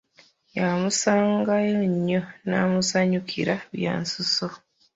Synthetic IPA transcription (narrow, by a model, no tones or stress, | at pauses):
jamusaːŋɡajoɲːonamusaɲukʰḭɾaβja̰ːnsuso